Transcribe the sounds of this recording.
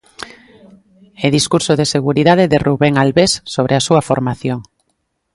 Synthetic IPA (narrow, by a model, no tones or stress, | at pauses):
eðiskuɾsoðeseɣuɾiðað̞eðeruβeŋalβesːoβ̞ɾʔeasuafoɾmaθjoŋ